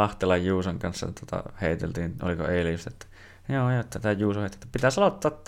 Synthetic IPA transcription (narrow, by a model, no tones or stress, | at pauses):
ɑht̪elːɑjjuːsɑŋkɑnsːɑ̰t̪uot̪ɑ̰heˑit̪ḛlt̪iːnʔo̰liko̰eˑilijust̪ɑet̪ːæ̥ | joːjoˑt̪ːæt̪æjuːsoheˑt̪ːˑt̪ːpit̪æsɑlot̪ːɑːt̪ː